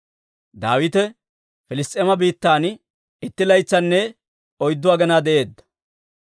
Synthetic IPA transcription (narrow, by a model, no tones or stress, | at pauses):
d̪aːwɪt̪ɛ | fɪlɪst̪ʼeːmɐbiːt̪ːaːn | ɪt̪ːɪlɐjt͡sːɐnːɛ | ɔjd̪ːʊaːɡɐnaːd̪ɛʔe̞ːd̪ːɐ̥